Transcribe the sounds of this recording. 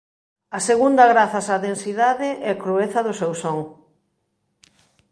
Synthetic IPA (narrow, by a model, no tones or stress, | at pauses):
ɐseɣund̪ɐɣɾaθɐsaðensiðaðɪʔɛakɾueθɐðʊsewsoŋ